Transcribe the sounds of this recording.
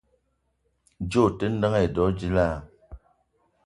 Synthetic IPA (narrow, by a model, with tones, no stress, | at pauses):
d͡ʒo˦˨te˦n̩˦də˦ŋe˦˨dɔ˨˦d͡ʒi˦la˦˨